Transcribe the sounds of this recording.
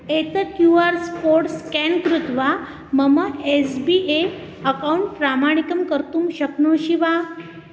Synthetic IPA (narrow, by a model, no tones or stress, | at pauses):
et̪əkjuaɾspoɾʈskɛnkɾut̪ʋa | məməesbiʔe | əkauɳʈ̚pɾamaɳ̃ikəmkəɾt̪uːmɕəknoɕiʋa